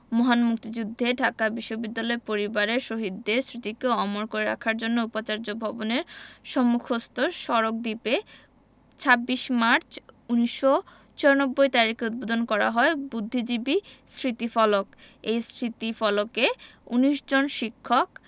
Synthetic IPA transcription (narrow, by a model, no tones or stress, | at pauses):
mɔɦanmuk̚t̪id͡ʑud̪ʱːeɖʱakabiʃːobid̪ːalɔepoɾibaɾeɾʃoɦid̪ːeɾsɾit̪ikeɔmoɾkoɾeɾa̰kʰaɾd͡ʑonːoupat͡ɕaɾd͡ʑobʱɔboneɾʃɔmːukʰost̪oɾʃɔɾok̚d̪ipe | t͡ɕʰabːiʃmaɾt͡ɕuniʃːo | t͡ɕɔonobːojt̪aɾikeut̪̚bod̪ʱonkɔɾa̰ɦɔebud̪ʱːid͡ʑibisɾit̪ifɔlok | ejsɾit̪ifɔlokeuniʃd͡ʑonʃikʰːok̚